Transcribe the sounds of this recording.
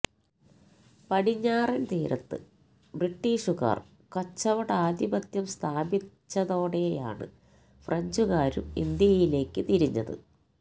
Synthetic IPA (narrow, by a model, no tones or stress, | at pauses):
pɐɽiɲːaːrint̪iːɾɐt̪ːɨ̰ | briʈːiːʂuɣa̰ːr | kɐt͡ɕːɐʋɐɽaːd̪ibɐt̪jɐmst̪ʰaːbit͡ɕːɐðo̞ːɽeja̰ːɳɨ̰ | frɐɲd͡ʑuɣaːɾṵmḭnd̪jɐjile̞ːkːɨt̪iɾiɲːɐ̰ðɨ̰